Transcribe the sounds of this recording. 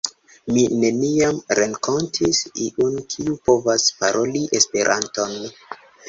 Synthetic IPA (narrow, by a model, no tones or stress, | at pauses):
mine̞niamɾeŋko̞ntʰisiʔunkʰiupo̞vaspaɾʔo̞liʔespe̞ɾʔanto̞n